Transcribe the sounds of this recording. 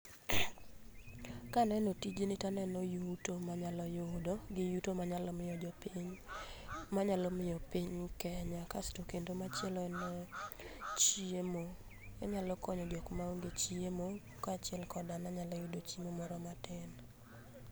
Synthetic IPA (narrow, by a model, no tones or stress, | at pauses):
kanɛnɔtid͡ʒenɪtanɛnɔjutomaɲalɔjodoɡɪjutomaɲalɔmɪjɔd͡ʒɔpiɲ | maɲalɔmɪjɔpiɲkɛɲakastokendomaɛln | t͡ʃemo | ɛɲalɔkɔɲɔd͡ʒokmauɡet͡ʃiemo | kat͡ʃɪɛlkɔdanaɲalɔjʊdot͡ʃimomɔɾɔmatɪn